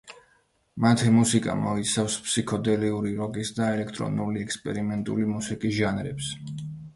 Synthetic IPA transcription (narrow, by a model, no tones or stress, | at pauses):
mat̪ʰɛmusikʼa̰mɔit̪sʰafspʰsikʰɔd̪ɛliuɾiɾɔkʼisd̪aɛlɛkʰt̪ʼɾɔ̰nuliɛkspʼɛɾimɛnt̪ʼṵlimusikʼisʒanɾɛ̰ps